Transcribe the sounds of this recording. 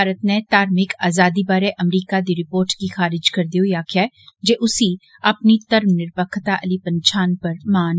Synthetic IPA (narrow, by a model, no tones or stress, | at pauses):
aːɾət̪net̪aːɾmɪkaːzaːd̪ibaːɾeʔɐmɾiːkad̪iɾɪpoːɾʈkixaːɾɪd͡ʒkɐɾd̪iojaːkʰa | d͡ʒeʔʊsi | ɐpnit̪ɐɾmnɪɾpəkʰt̪aʔɐlipɐ̃nt͡ʃʰaːnpɐɾmaːn